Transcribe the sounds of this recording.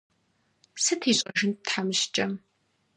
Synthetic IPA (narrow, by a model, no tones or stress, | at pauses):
psɨtʰiːɕʼɐʒɪntħamɨʃt͡ʃʼɐ